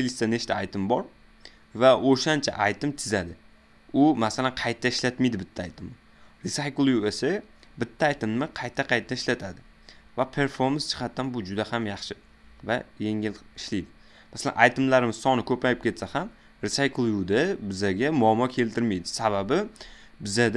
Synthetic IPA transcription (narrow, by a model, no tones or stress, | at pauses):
t̪ʰelist̪aneʃt̪ʰaajt̪ʰɪmbɒɾ | vaʔoʃant͡ʃʰa̰ʔajt̪ɪmt̪ʰɪzad̪ɪ | ʊmasalanqʰɑjt̪ʰːaɪʃlat̪mɪjd̪ɪbɪt̪ʰːaːjt̪ʰɪmː | ɾɪsajklˠjuesa | bɪt̪ʰːaːjt̪ɪmːɪqʰɑjt̪ʰːaqʰɑjt̪ʰːaɪʃlat̪ʰad̪ɪ | vapʰe̞ɾfo̞ɾmanst͡ʃʰɨ̥qʰɑt̪ːanbʊd͡ʒʊd̪ahamjɑχʃɪ | vajeŋɪlɪʃlijd̪ɪ | masala̰najt̪ɪmlaɾɪmɪzsɒnɪkʰɵpajɪp̚kʲʰe̞t̪saham | ɾɪsajklˠjud̪abɪzaɡʲamʊɒamːɒkʲʰe̞lt̪ʰɪɾmijd̪ɪsababɪ | bɪzad̪